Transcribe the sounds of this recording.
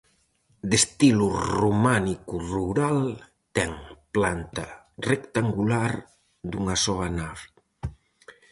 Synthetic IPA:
d̪est̪ilurumanikuruɾal | t̪ɛŋplant̪ɐ | rekt̪aŋɡulaɾ | d̪uŋɐsɔβanaβ

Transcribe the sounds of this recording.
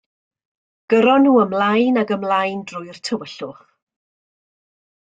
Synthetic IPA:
ɡ̥əɾɔnːuːəmlajnaɡəmlajndrʊɨr̥tʰəwəɬʊχ

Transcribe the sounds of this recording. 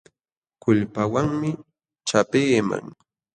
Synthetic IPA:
kʊʎpawaŋmɪ | t͡ʃapeːma̰ŋ

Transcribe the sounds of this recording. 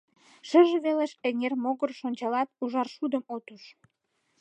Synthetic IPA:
ʃəʒəβeleʃeŋermoɣərʃonʲt͡ɕɑlɑt̪̚uʒɑrʃud̪əmot̪uʃ

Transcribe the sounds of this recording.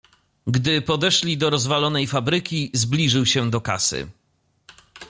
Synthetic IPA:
ɡd̪ɘpɔd̪ɛʂlʲid̪ɔɾɔzvalɔnɛjfabɾɘkʲizblʲiʐɘwɕɛd̪ɔka̰sɘ̰

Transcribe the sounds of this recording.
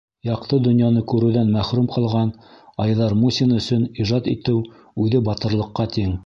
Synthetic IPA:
jɑqt̪ɤd̪ŏnjɑnɤkʉɾɘ̆wðænmæχɾumqɑlˠʁɑnɑjðɑɾmusʲinɵ̆sɵniʒɑt̪ḭt̪ɘw | ʉðɘbɑt̪ɤ̆ɾlˠɤ̆qːɑt̪iŋ

